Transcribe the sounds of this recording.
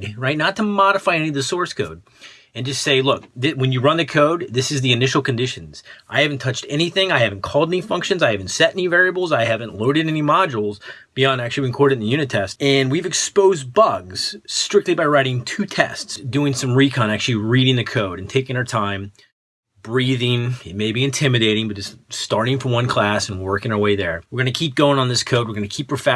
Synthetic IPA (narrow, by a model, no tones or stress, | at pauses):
ɹaɪtⁿnətʰəmɑɾəfaɪɛniʌvðɨsɔɹskʰoʊd̚ | ɨ̃nd͡ʒʌstseɪlʊk̚ðɪwɨ̃njɨɹʌ̃nðɨkʰoʊd̪̚ðɪsɨzðiɨnɪʃl̩ˠkɨ̃n̩dɪʃɨ̃n̩z̥ʔaɪhævn̩tʰʌt͡ʃtɛñiθɪ̃ŋaɪhævn̩kʰɔlˠdɛnifʌ̃ŋkʃɨ̃nzaɪhæṽn̩tsɛɾɛnivɛɹiɨbl̩ˠzaɪhævɨ̃nʔloʊɾɨɾɛnimɑd͡ʒl̩ˠzb̥iɑ̃ndæk̚t͡ʃʉl̩ˠiɨ̃nkʰɔɹɾɨ̃n̩ðɨjʉñɨtʰɛstɨ̃nwivɨkspoʊzbʌɡz̥ːtɹ̥ɪk̚tˡlibaɪɹaɪɾɪ̃ŋtʰʉtʰɛ̰stsd̥ʉɪ̃ŋsʌ̃mɹikʰə̃ñæk̚t͡ʃʉl̩ˠiɹiɾɪ̃ŋðɨkʰoʊɾɨ̃ntʰeɪkɪ̃ŋaə˞tʰãɪ̃m | b̥ɹiðɪ̃ŋɪt̚meɪbiɨ̃ntʰɪ̃mɨɾeɪɾɪ̃ŋbʌt̚d͡ʒ̥ʌststɑɹɾɪ̃ŋfə̃wʌ̃nkʰl̥æsn̩wɜ˞kɪ̃ŋəə˞weɪðə˞wɨɹɡʌñɨkʰip̚ɡ̥oʊɪ̃ŋə̃nðɪskʰoʊd̚wəɹɡʌ̃nɨkʰipəfæ